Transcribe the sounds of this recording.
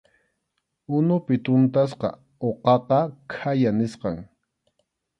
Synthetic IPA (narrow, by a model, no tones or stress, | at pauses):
ʊnʊpɪt̪ʊnt̪as̬qɑ̰ | oqɑqɑkʰajanɪsqɑŋ